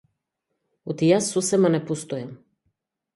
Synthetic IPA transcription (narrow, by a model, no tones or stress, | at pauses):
ot̪ijasːɔsɛmanɛpost̪ojam